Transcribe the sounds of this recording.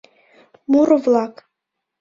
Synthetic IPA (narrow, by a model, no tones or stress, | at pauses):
muɾvlˠɑk